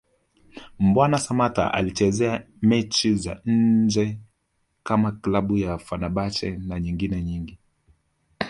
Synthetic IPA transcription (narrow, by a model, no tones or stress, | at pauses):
m̩bwanasamata̰ʔa̰lit͡ʃɛzɛa | mɛt͡ʃiza̰n̩d͡ʒɛ | kamaklaɓujafanaɓat͡ʃɛnaɲiŋɡinɛɲiŋɡi